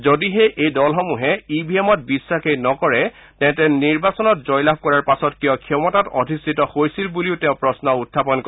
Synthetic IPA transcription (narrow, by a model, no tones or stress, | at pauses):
zodiɦeʔejdɔlxɔmuɦɛibʱiemɔt̚bisːakʰejnɔkɔɹɛ | tɛ̃ʊ̃tɛniɹbasɔnɔtzɔjlab̚ʱkɔɹaɹpasɔtkijɔkʰɛmɔtato̰dʱistʰitɔhojsilbuliʊtɛ̃ʊ̃pɹɔsnɔutʰːapɔnkɔ